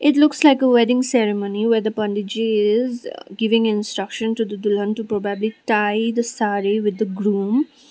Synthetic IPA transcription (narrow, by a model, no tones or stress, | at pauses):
ʔɪʈlʊkslaɪkəʋɛɖɪ̃ŋsɛɾɪmõːniʋeːɾd̪əpʌ̃ɳɖɪd͡ʒiɪzɡɪʋɪ̃ŋɪ̃nsʈɾʌkʃə̃nʈud̪əd̪ʊlɦə̃nʈupɾɔbabliʈaɪd̪əsaːɾiʋɪd̪ːəɡɾũːm